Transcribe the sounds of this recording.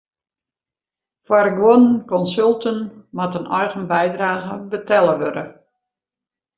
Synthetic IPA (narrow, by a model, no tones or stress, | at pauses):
fwaɾɪkʋonkɔnsølˠtənmatənɔjɣənbɛjdraːɣəbətɛlˠəʋødə